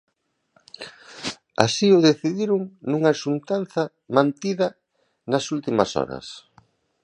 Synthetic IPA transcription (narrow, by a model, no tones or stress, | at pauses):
a̰siʊðeθiðiɾʊŋnuŋaʃunt̪anθɐ | mãnt̪iðɐ | nɐsult̪imɐ̰sɔ̰ɾɐ̰s